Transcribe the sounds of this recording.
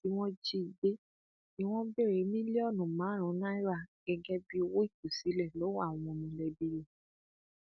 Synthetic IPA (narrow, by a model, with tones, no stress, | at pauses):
i˦w̃ɔ̃˦d͡ʒi˧˦i˨be˦ | i˦w̃ɔ̃˦be˦˨ɾe˨˦mĩ˦le˦ɔ˦˨nũ˨mãː˨˦ɾ̃ũ˨˦nã˦i˦ɾa˦˨ɡ̥ɛ˧ɡɛ˦bi˦o˧wo˦i˦˨ku˨si˨˦lɛ˦˨lo˨˦wã˦˨ɔ̃˧˨mĩ˧lɛ˨bi˦ɾe˨